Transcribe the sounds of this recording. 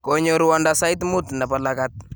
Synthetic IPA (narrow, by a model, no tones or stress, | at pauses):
kɔɲɔɾwandasajt̪mut̪napalakat̪̚